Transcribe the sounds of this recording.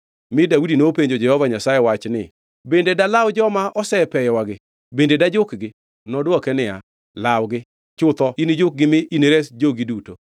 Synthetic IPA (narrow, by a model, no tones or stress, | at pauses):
mɪdawudinopeɲd͡ʒod͡ʒɛhɔvaɲasajewat͡ʃnɪ̰ | bendedalawd͡ʒɔmaʔɔsɛpɛjɔwaɡɪ | bendedad͡ʒʊkɡɪ | nɔdwɔkɛnɪa̰ | lawɡɪ | t͡ʃʊt̪ɔinid͡ʒʊk̚ɡɪmɪʔiniɾesd͡ʒoɡiduto